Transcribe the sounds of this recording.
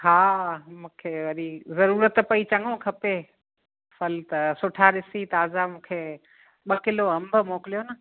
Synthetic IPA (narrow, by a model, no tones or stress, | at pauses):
ɦaːmũːkʰeʋɐɗizɐɾuːɾət̪pɐit͡ɕɐ̃ŋɡõkʰɐpe | fɐlt̪ɐsʊʈʰaɗɪsit̪aːzamũːkʰe | ɓɐkɪloɐ̃mbʱə̆moːkɪlijonɐ